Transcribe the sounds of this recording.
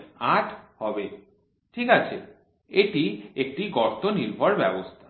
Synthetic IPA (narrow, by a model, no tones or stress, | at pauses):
aʈʰhɔbe | ʈʰikat͡ɕʰe | eʈiek̚ʈiɡɔɾt̪oniɾbʱɔɾbɛbost̪ʰḁ